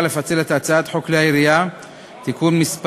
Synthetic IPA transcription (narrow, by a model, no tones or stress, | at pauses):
le̞fat͡selet̪at͡saat̪ħokleaiɾija | t̪ikunmisp